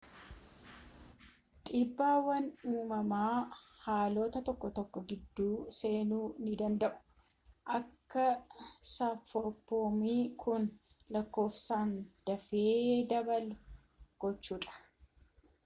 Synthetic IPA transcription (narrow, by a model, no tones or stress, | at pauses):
t̪ʼiːbːaːwɐnuːmɐmaːhaːlo̞ːt̪ɐt̪ɔkːɔt̪ɔkːɔɡɪd̪ːuːse̞ːnuːnɪd̪ɐnd̪ɐʔʊ̥ | ʔɐkːɐsɐfɔpːoːmiːkʰʊn | lɐkːo̞ːfsaːnd̪̥ɐfeːd̪ɐbɐlʊ | ɡ̥ɔt͡ʃːuːᶑɐ̥